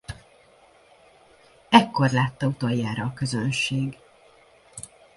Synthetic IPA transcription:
ɛkːo̞rlaːt̪ːɒut̪ojːaːɾɒːkø̞zønʃeːɡ

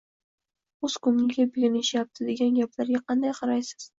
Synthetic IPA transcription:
ɵz̥kʰʊnnɪɡʲabɪlʲɪnɪʃjap̚t̪ʰɪd̪e̞ɡʲanɡʲaplaɾɡʲaqʰɑnd̪ajqʰɑɾajsɪ̥z̥

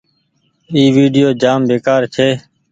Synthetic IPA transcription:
iːʋiːɖɪjoːd͡ʒaːmbeːkaːɾt͡ʃʰeː

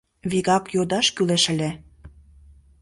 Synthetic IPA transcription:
βiɣɑkjod̪ɑʃkyleʃə̆lʲĕ

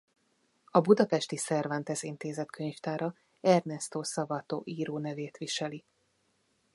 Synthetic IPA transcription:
ɒbud̪ɒpɛʃt̪isɛrvɛnt̪ɛsint̪eːzɛt̪kʰøɲft̪aːɾɒ | ɛrnɛst̪oːsɒbɒt̪o̰ːʔiːɾoːnɛveːt̪ʋiʃɛli

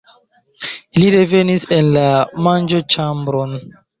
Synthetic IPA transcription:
iliɾevenisenlamand͡ʒot͡ʃambɾon

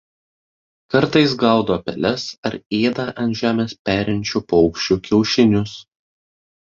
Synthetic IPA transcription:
kɐɾˑt̪ɐɪs̬ɡɐˑʊd̪oːpʲɛ̰lʲɛsɐɾeːd̪ɐʔɐnʒʲæːmʲeːspʲæːɾʲɛnʲt͡ʃʲupɔʊkʃʲt͡ʃʲukʲɛʊʃʲɪnʲʊs

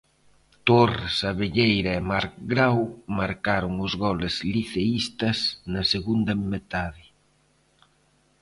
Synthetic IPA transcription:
t̪orɪsaβeʎejɾɐemaɾkɡɾawmaɾkaɾʊŋʊzɣɔlɪzliθeist̪ɐsnɐseɣund̪ɐmet̪aðɪ

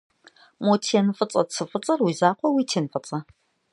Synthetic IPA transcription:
motʰiɛnfʼɨt͡sʼɐt͡sʰɨfʼɨt͡sʼɐrwiːzaːqʷɔwiːtʰeːnɨfɨt͡sʼɐ

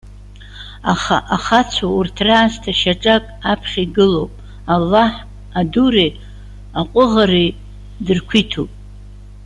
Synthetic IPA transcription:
aχa̰ʔaχat͡sʷʰaurtʰraːztʰaʃaʈ͡ʂʼakʼapʰχʲiɡɨlowpʼ | alːaħ | adure | aqʷʼʊʁari | dɨrkʷʰitʰupʼ

